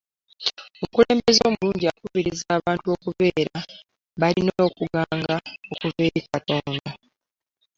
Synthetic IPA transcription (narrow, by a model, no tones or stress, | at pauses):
omukule̞ːmbe̞zo̞ːmuluːɲɟiakuβiɾizaːβaːntuo̞ːkuβe̞ːɾa | βalinoːkuɡaːŋɡaokuve̞ːɾikato̞ːnda